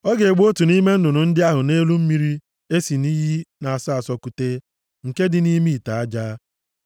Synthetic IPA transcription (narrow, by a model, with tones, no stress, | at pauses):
ɔ˦ɡe˨e˨ɡ͡bo˦tu˨ni˦me˦n̩˦dʊ˨nʊ˨n̩˦dɪ˦a˦ɦʊ˨ne˦lu˦m̩˦mi˦ɾi˦ | e˦si˨ni˦ɦi˦na˨a˨sa˦a˨sɔ˦ku˨te˦ | ŋ̩˨ke˦dɪ˨ni˦mi˦˨ta˨a˦d͡ʒaː˦